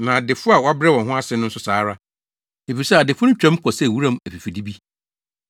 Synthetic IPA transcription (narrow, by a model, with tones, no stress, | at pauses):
nã˨dɪ˨fʊ˦a˨wa˦bɾɛ˦wɔ̃˨n˨ɦʊ̃˦a˦sɪ˦nʊ̃˦n̩˦sʊ˦saː˨˦ɾa˦ | e˨fi˨i˨sɛ˦a˨dɪ˨fʊ˦n̩˦t͡ɕᶣã˦m˦kʰɔ˨sɛ˦˨wu˦ɾã˦m˦æ˨fi˨fi˨di˦bi˦